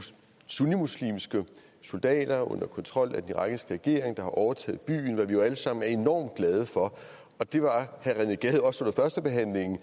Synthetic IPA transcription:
sunimuslḭːmsɡ̥ə | so̝ld̥ɛ̰ːd̥ɐɔ̽n̰ɐkʰɒ̽nt͡sʰʁɒ̽l̰æd̥eniʁɑ̈ɡ̥isɡ̥əʁɛɡ̥e̝ɐeŋd̥ɑ̈hɑ̈ʔɒʊɐt͡sʰɛ̰ːð̩ˠb̥y̰ːnʋɑ̈ʋijo̝æləsɑ̈m̰n̩æɐe̝nɒ̰ːmd̥̚ɡ̥lɛð̞ˠəfɒ̽ | ɒ̽d̥e̝ʋɑ̈hæʁæneɡ̥ɛðˠɒ̽so̽nɐfɶɐsd̥əb̥e̝ɦæn̰le̝ŋn̩

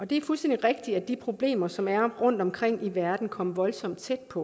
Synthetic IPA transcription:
ʔɒ̽d̥e̝æɐfulsd̥end̥i̥ʁeɡ̥̚d̥i̥æd̥ipʰʁo̝b̥le̝̰ːmɐsɒ̽mæɐʁɔ̽n̰d̥ɒ̽mkʰʁeŋ̰iʋæɐd̥n̩kʰɒ̽məʋɒ̽lsɒ̽m̰d̥̚t͡sʰed̥̚pʰɒ̽

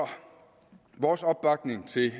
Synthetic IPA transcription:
ɒ | ʋɒːsɒ̽b̥̚b̥ɑ̈ɡ̥ne̝ŋt͡sʰe̝

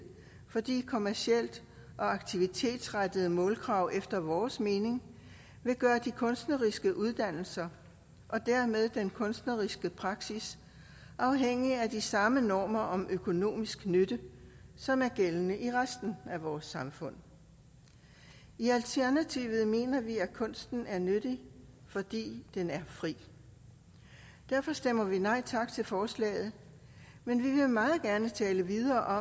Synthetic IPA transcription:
fɒ̽d̥ḭːkʰo̝mæɐsiel̰d̥ | ʔɒ̽ɑ̈ɡ̥̚t͡sʰiʋit͡sʰe̝̰ːd̥sʁad̥əð̞̩ˠəmɔ̽ːlɡ̥ʰʁɑ̈ʊʔefd̥ɐʋɒːsme̝ːne̝ŋ | ʋe̝ɡ̥ɶːɐd̥ikʰɔ̽nsd̥nɐʁisɡ̥əʔuð̞ˠd̥æn̰l̩sɐ | ʔɒ̽d̥æɐmeð̞ˠd̥enkʰɔ̽nsd̥nɐʁisɡ̥əpʰʁɑ̈ɡ̥sis | ʔɑ̈ʊɦeŋ̰iæd̥isɑ̈mənɒːmɐʔɒ̽mʔøkʰo̝no̝̰ːmisɡ̥nød̥əsɒ̽mæɐɡ̥elənəʔiʁasd̥n̩æʋɒːsːɑ̈mfɔ̽n̰ | iælt͡sʰæɐnæt͡sʰiʋð̞̩ˠme̝̰ːnɐʋiækʰɔ̽n̰sd̥n̩æɐnøɾ̥i | fɒ̽d̥ḭːd̥enæɐfʁḭː | d̥æɐfɒ̽sd̥em̰ɐʋinɑ̈ɪ̰t͡sʰɑ̈ɡ̥̚t͡sʰe̝lfɒːslɛ̰ːɪð̩ˠ | menʋiʋe̝mɑ̈ːð̩ˠɡ̥æɐnət͡sʰɛːləʋið̞ˠɐːʔɒ̽

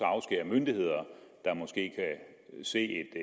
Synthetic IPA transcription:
ɑ̈ʊsɡ̥ḛːɐmønd̥ihe̝ð̞̰ˠɐd̥ɑ̈mɒ̽sɡ̥e̝̰ːkʰæ | se̝̰ːe̝d̥

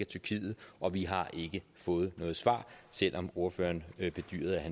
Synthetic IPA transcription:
æt͡sʰyɐkʰḭːð̩ˠʔɒ̽ʋiɦɑ̈ʔe̝ɡ̥əfɔ̽ːð̩ˠnɔ̽ːð̞̩ˠsʋɑ̈ːsel̰ʔɒ̽mo̝ɐfø̰ːɐnb̥e̝d̥y̰ːɐð̞̩ˠæhæ

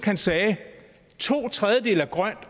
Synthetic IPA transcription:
ɡ̥hænsɛː | t͡sʰo̝̰ːt͡sʰʁaðˠjəd̥e̝̰ːlæɡ̥ʁɶn̰d̥

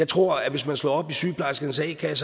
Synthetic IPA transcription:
ɑ̈ɪt͡sʰʁo̝ɐ̰æʋe̝smænslɒ̰ɒ̽b̥isyːpʰlɑsɡ̥ən̩sɛ̰ɪkʰæs

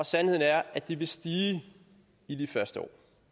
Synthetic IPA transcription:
ɒ̽sænhe̝ð̰ˠn̩æɐæd̥iʋe̝sd̥iː | id̥ifɶɐsd̥əɒ̰ː

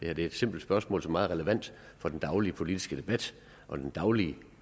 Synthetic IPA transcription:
d̥e̝hæɐd̥e̝ɐed̥se̝m̰b̥l̩̥sb̥ɶɐsmɔ̰lsɒmɑ̈ːð̩ˠʁɛləʋæn̰d̥ | fɒ̽d̥en̩d̥ɑ̈ʊlipʰo̝lid̥isɡ̥əd̥e̝b̥æd̥ | ʔɒ̽d̥end̥ɑ̈ʊliə

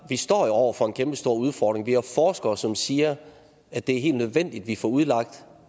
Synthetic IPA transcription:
ʋisd̥ɒ̰ːjo̝ɒʊ̰ɐfɒ̽e̝nkʰemb̥əsd̥o̝ɐ̰uð̞ˠfɒːd̥ʁe̝ŋʋiæfɒːsɡ̥ɐsɒ̽msiːɐ | æd̥e̝æɐɦe̝̰ːld̥nøð̞ˠʋen̰d̥id̥ʋifɒːuð̞ˠlɑ̈ɡ̥̚d̥

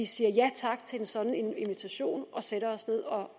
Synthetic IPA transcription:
isiːɐjæt͡sʰɑ̈ɡ̥̚t͡sʰe̝ensɒ̽d̥n̩inʋit͡sʰæɕo̝̰ːnʔɒ̽seɾɐɒ̽sne̝ð̞̰ˠɒ̽

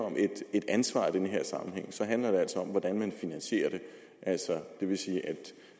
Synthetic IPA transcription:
ɒ̽mʔe̝d̥e̝d̥ænsʋɑ̰̈ːid̥enəɦe̝ɐ̰sɑ̈mn̩ɦeŋ̰sɒ̽ɦændlɐd̥e̝æl̰sɒ̽ɒ̽mʋɒd̥ænmænfinænɕe̝̰ːɐɾ̥e̝ | ʔæl̰sɒd̥e̝ʋe̝siːʔæd̥

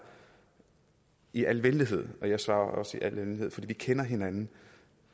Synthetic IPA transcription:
iʔælʋend̥iɦe̝ð̰ˠɒ̽jɑ̈ɪsʋɑ̈ːɐʔɒ̽səiʔælʋenihe̝ðˠfɒ̽d̥ḭːʋikʰenɐɦe̝nænn̩

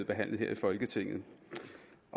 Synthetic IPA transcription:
eðˠb̥e̝ɦæn̰lð̩he̝ɐ̰ifɒ̽lɡ̥ət͡sʰe̝ŋ̰ð̩ˠ | ʔɒ̽

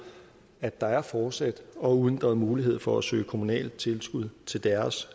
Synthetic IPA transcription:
æd̥ɑ̈æɐfɒːd̥sæd̥ɒ̽uðˠənd̥ɑð̩ˠmuːliɦe̝ð̞̰ˠfɒ̽æsø̰ːɪkʰo̝munɛ̰ːld̥̚t͡sʰe̝lsɡ̥uð̞̰ˠt͡sʰe̝ld̥æɐs

